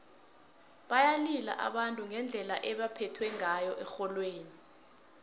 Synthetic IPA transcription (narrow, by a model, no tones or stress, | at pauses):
ɓajalila̰ʔa̰ɓantʼuŋɛnd͡ɮʱɛlaʔɛɓapʰɛtʰwɛŋajɔʔɛxɔlweːni